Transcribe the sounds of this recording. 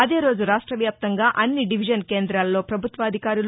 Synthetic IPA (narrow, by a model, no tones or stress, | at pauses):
ɐd̪e̞ːɾo̞ːd͡ʒuɾaːʂʈɾɐʋjaːp̚t̪ɐŋɡaːʔɐnːiɖiʋid͡ʒɐnkeːnd̪ɾaːlːo̞ːpɾɐbʱut̪ʋɐːd̪ʱikaːɾul